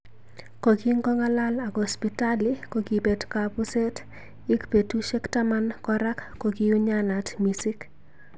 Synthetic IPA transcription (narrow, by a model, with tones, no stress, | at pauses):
ko˨ki˦ŋɡɔ˦ŋa˦la˦la˨kɔ˨spi˨ta˦liko˨ki˨pe˨dkapʊ˦se˦t | ɪ˦kpe˨tu˦ʃe˦kta˦ma˦nkɔ˦ɾa˦kːo˨ki˦u˦ɲana˨tmisɪ˦k